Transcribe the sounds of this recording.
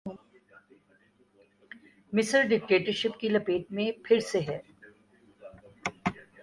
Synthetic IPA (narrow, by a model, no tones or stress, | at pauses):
mɪsəɾɖɪk̚ʈeːʈəɾʃɪpkilɐpeːʈ̚mẽpʰɪɾseɦɛː